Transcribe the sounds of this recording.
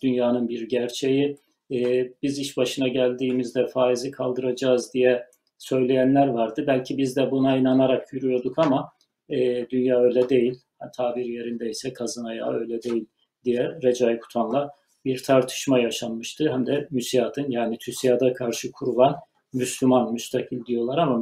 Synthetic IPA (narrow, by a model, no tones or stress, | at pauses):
d̪̥ynjaːnɯnbiɾɟæɾt͡ʃʰe̞ji | biziʃbaʃɯnaɟælʲd̪iːmizd̪ɛfaːizikʰalˠd̪ɯɾad͡ʒaːzd̪ijɛ | sø̞jlʲe̞jænlʲæɾvaɾd̪ɯbælʲcʰibizd̪ɛbunainanaɾakjyɾyjo̞ɾd̪ukʰama | ɛːd̪ynjaːø̞jlʲɛd̪e̞jilʲht̪ʰaːbiɾje̞ɾind̪ɛisɛkʰazɯnaja̰ø̞jlʲɛd̪e̞jilʲ | d̪ijɛɾed͡ʒajkʰu̥t̪ʰanlˠa | biɾt̪ʰaɾt̪ʰɯ̥ʃmajaʃanmɯʃt̪ʰɯɦæmd̪ɛmysijad̪ʰɯnjaːnit̪ʰysijad̪akʰaɾʃɯkʰuɾuvan | myslʲymanmyst̪ʰakʰɯlʲd̪ijo̞lˠaɾama